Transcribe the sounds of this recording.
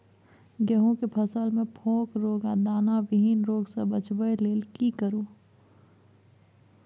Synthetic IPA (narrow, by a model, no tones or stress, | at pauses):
ɡəɦõkepʰəsəlmẽpʰõːkɾoːɡad̪aːnaʋɪɦinɾoːɡsebət͡ʃbəjleːlkikəɾuː